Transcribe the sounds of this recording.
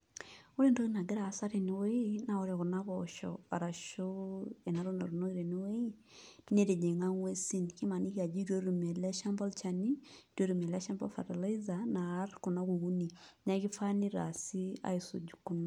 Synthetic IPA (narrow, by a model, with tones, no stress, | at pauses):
o˦ɾe˦˨ndo˦i˦na˨ɡɛ˦ɾa˨sa˦ɾe˨ni˨˦we˦ina˦˨o˦ɾe˨ɣu˨na˦βɔʃɔ̰a̰˨ɾa˨ʃo˦e˨na˨ɾo˦na˨ɾu˨no˦i˦ɾe˨ni˦we˦i˦ | ti˦ne˦ɾe˨d͡ʒe˨ŋa˦ŋwe˦si˦nki˦ma˨ni˦ki˦a˨d͡ʒi˦ɾo˦ɾu˨mɛ˨lɛ˦ʃa˦mbɔ˦lt͡ʃa˨ni˦ɾo˦ɾu˨me˨lɛ˦ʃa˦mbɔ˦lfa̰˨ta˨la˦i˦za˨naː˨˦ɾku˨na˦ɣu˨ɣu˦ni˨ɲa˦˨˦ɣi˦fa˦ni˦ɾa̰˨si˦a̰˦i˨so̰˨d͡ʒu˨ku˦na˨